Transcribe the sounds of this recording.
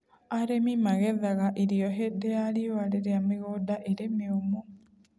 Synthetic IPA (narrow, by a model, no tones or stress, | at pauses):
aɾemimaɣɛðaɣaʔiɾiɔɦedealiwaɾeɾeameɣodaʔeɾemeomo